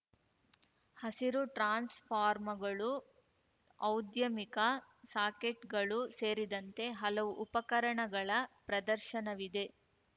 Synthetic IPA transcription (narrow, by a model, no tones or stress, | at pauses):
hɐsiɾuʈɾaːnspʰaːɾmɐɡɐɭu | ɐwd̪jɐmikɐ | saːkeʈɡɐɭuse̞ːɾid̪ɐnt̪e̞ɦɐlɐʋuʔupɐkɐɾɐɳɐɡɐɭɐpɾɐd̪ɐɾʃɐnɐʋid̪e̞